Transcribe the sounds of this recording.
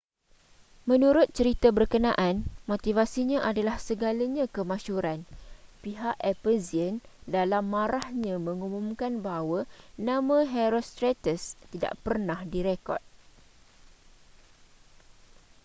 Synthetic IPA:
mə̃nũɾʊt̪̚t͡ʃəɾit̪abərkənãʔanmot̪ivasiɲãʔadalahsəɡalaɲãkəmãʃuɾanpiɦaʔɛpəziəndalamːãɾahɲãmə̃ŋumũmkanbaɦwanãmãɦɛɾost̪ɾat̪əst̪ida̰ʔpərnahdiɾekɔ̰t̪̚

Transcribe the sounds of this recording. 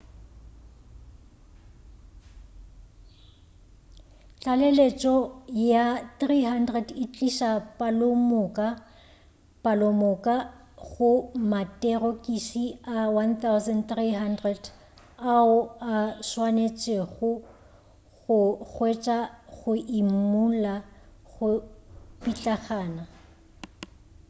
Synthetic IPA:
t͡ɬʼalelet͡ʃʼɔjaθriɦandrɛdit͡ɬʼiʃapʼalomʊkʼa | pʼalomʊkʼa | ɣʊmatʼerokʼisiawanθawzɛndt̪riɦandrɛd | aʊaʃwanet͡ʃʼeɣʊ | ɣʊɣwet͡ʃʼaɣʊʔimula | ɣʊpʼit͡ɬʼaχaːna

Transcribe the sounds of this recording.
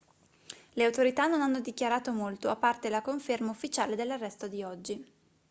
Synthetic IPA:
leawt̪oɾit̪anːonanːod̪ikjaɾaːt̪omolt̪oapːart̪elakoɱfermaufːit͡ʃaːled̪elːarːɛst̪od̪iɔd͡ʒːi

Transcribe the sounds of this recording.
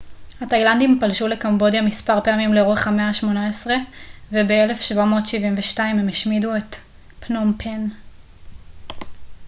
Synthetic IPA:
hatajlandimpalʃule̞kambo̞djamispaʁpe̞amimleʁoχhameaʃmo̞naesʁe̞vebeele̞fʃvamo̞ːtʃivimveʃtaimemeʃmiduet | pnompʰen

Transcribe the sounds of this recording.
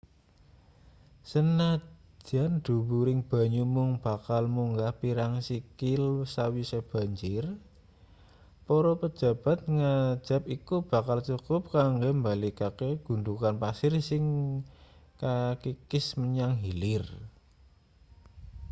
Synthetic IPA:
sənḁ | d͡ʒʒ̥and̪̥ṳwuɾɪŋb̥a̤ɲumʊŋb̥a̤kalmuŋɡahpiɾaŋsikɪlsawiseb̥a̤ɲd͡ʒɪr | pɔɾɔpə̥ʒ̥ä̤b̥a̤t̪̚ŋḁd͡ʒ̥a̤pikub̥a̤kalt͡ʃukʊp̚kaŋɡambalikakeɡ̥ṳnd̪ukanpasɪrsɪŋ | kakikɪsməɲaŋɦilɪr

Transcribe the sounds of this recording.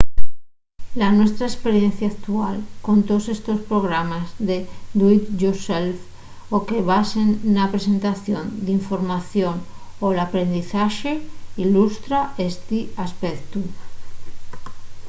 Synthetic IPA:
lanwe̞st̪ɾaespeɾjenθjaːk̚t̪ualko̞nt̪osest̪ospɾoɣ̞ɾamazðed̪wit̪ʝoself | okeβasenːapɾesent̪aθjond̪iɱfoɾmaθjonolapɾe̞nd̪iθaʃeilust̪ɾaest̪iaspekt̪u

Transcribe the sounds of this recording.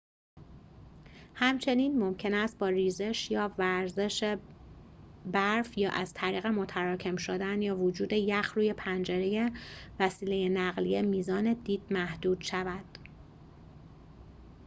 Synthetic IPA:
hæmt͡ʃʰe̞niːnmo̞mcʰe̞næst̪̚bɒːriːze̞ʃjɒːvæɾze̞ʃe | bæɾfjɒːʔæz̥t̪ʰæɾiːɣe̞mo̞t̪ʰæɾɒːcʰe̞mʃod̪ænjɒːvod͡ʒuːd̪e̞jæxɾuːje̞pʰænd͡ʒe̞ɾejevæsiːle̞jenæɣlijemiːzɒːne̞d̪iːd̪̥̚mæhd̪̥uːd̪̥ʃævæd̪̥

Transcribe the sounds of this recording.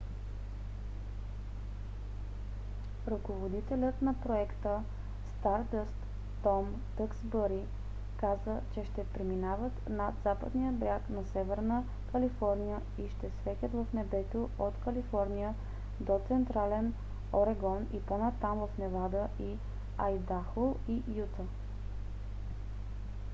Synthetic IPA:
ɾɐkovod̪it̪ɛlʲət̪nɐpɾoɛkt̪ə | st̪aɾd̪əst̪ː | ɔm | t̪əksbəɾi | kazət͡ʃɛʃt̪ɛpɾiminavət̪nad̪z̥apə̰d̪nijəbɾʲjaknɐsɛvɛɾnə | kəlifɔɾnijə | iʃt̪ɛsvɛtʲət̪vəfnɛbɛt̪oot̪kəlifɔɾnijə | d̪ot̪sɛnt̪ɾalɛn | oɾɛɡɔniponat̪ːamvəfnɛvad̪əʔi | ajd̪axolˠijut̪ə

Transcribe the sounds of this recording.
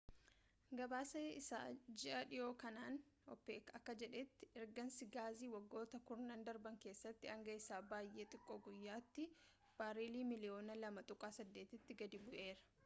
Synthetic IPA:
ɡɐbaːsɐɪsa̰ːd͡ʒɪʔɐᶑɪjo̞ːkɐnaːnɔ̰pːeːkɐkːɐd͡ʒɛᶑɛt̪ːɪɛɾɡɐnsɪɡaːziːwɐɡːo̞ːt̪ɐkʊɾnɐnd̪ɐɾbɐŋke̞ːsːɐt̪ːɪɐŋɡɐɪsaːbaːjʔe̞ːt̪ʼɪkʼːoːɡʊjːaːt̪ːɪ | b̥aːɾiːliːmɪlɪjo̞ːnɐlɐmɐt̪ʼʊkʼaːsɐd̪ːe̞ːt̪ɪt̪ːɪɡɐd̪ibʊʔe̞ːɾɐ̥

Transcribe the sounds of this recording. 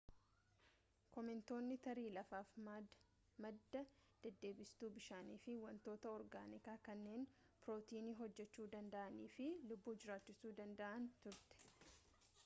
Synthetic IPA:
kɔmɪnt̪o̞ːnːɪt̪ɐɾiːlɐfaːfm | mɐd̪ːɐd̪̥ɛd̪ːe̞ːbɪst̪uːbɪʃaːniːfɪwɐnt̪o̞ːt̪ɐɔɾɡa̰ːnɪkaːkɐnːe̞ːn | pɾoːt̪iːniːɦɔd͡ʒːɛt͡ʃːuːd̪ɐnd̪ɐʔɐniːfɪlʊbːuːd͡ʒɪɾaːt͡ʃːɪsuːd̪ɐnd̪ɐʔɐnt̪ʊɾt̪ɛ̥

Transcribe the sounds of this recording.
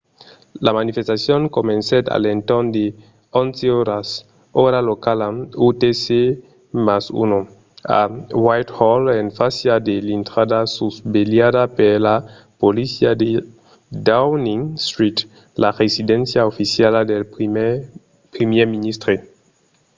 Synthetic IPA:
lamanifest̪asjoŋkomenset̪a̰lent̪ond̪e | onseoɾas | oɾalokalaut̪ese | masṵno | a̰wajt̪holenfasjad̪elint̪ɾadasusbeljadapeɾla | polisiad̪e | dawniŋst̪ɾit̪ | laʁesid̪ensjaofisjaladel | pɾimjeminist̪ɾe

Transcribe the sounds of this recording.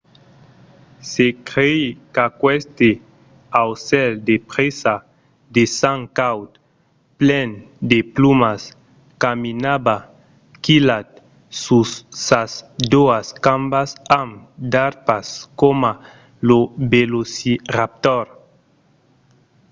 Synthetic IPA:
sekɾejkakwɛst̪e | awsɛld̪epɾesa | d̪esaŋkawt̪ | plɛn | d̪eplumas | kaminaba | kilat̪̚ | susːasd̪oaskambasamd̪aɾpaskoma | lobelosirap̚t̪oɾ

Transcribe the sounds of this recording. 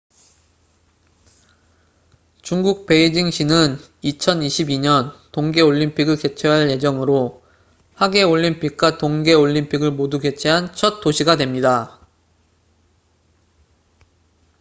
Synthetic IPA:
t͡ɕuŋɡuk̚pe̞id͡ʑiŋɕʰinɯn | it͡ɕʰʌniɕʰibiɲʌntoŋɡe̞oʎːimpʰiɡɯɭke̞t͡ɕʰeɦaɭje̞d͡ʑʌŋɯɾo | haɡe̞oʎːimpʰik̚k͈watoŋɡe̞oʎːimpʰiɡɯɭmoduɡe̞t͡ɕʰeɦant͡ɕʰʌt̚t͈oɕʰiɡadwe̞mɲida

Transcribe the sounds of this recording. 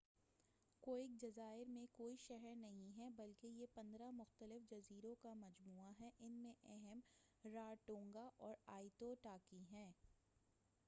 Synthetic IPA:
koːɪk̚d͡ʒɐzaːɪɾmẽkoːiʃɛɦɛɾnɐɦĩɦɛbɐlkejepɐ̃nd̪ɾamʊxt̪əlɪfd͡ʒɐziːɾõkamɐd͡ʒmuːaɦɛʔɪnmẽʔɛɦɛmɾaːʈõːŋɡaʔɔːɾaːɪt̪oʈaːkiɦɛ̃ː

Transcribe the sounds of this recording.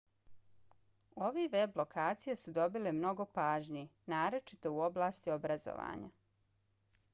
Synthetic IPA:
o̞ʋeʋeblo̞kʰaːt̪sijesud̪o̞bilemno̞ɡo̞paːʒnijinaːɾo̞t͡ʃit̪o̞uo̞blaːst̪iobɾazo̰ʋa̰ːɲa̰

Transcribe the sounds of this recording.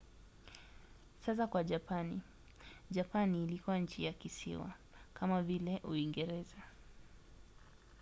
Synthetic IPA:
sas̬akwaʄapanḭ | ʄapaniːlikuwaɲ̩t͡ʃijakisḭwa̰kamavilɛʔuiŋɡɛɾɛza

